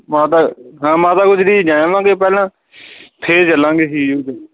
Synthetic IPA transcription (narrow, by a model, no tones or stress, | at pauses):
mãːt̪aːɦãːmãːt̪aːkʊd͡ʒdiːd͡ʒãːʋãːɡeːp̬ɛːlãː | t̪ʰeːt͡ʃəlãːɡeːsiːd͡ʒoːd͡ʒ̪e